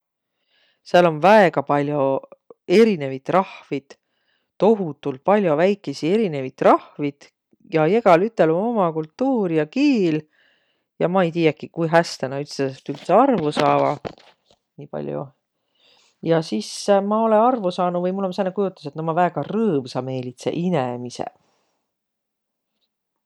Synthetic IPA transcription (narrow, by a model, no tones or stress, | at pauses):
seɑlo̞nvæeɡ̥ɑpɑlʲjo̞e̞ɾine̞vit̪ˑrɑhvid̪̥ | t̪o̞ɦut̪ːˑult̪̚pɑlʲjo̞væjkːˑesie̞ɾine̞vit̪ːˑrɑhvid̪̥ | jɑje̞ɡ̥ɑlyt̪ˑːe̞lomo̞mɑkult̪ːuːɾijɑkiːl | jɑmɑejt̪̬iːjekikujɦæst̪enɑyt̪seset̪ylt̪seɑrvusɑːvɑ̰ | niːpɑ̰lʲjṵ | jɑsismɑo̞lenɑrvusɑːnuvɤjmulːomsenːekujut̪ːˑɑ̥set̪nɑmɑvæːɡ̥ɑrɤːmsɑme̞ːlit̪se̞̰ʔinemisḛ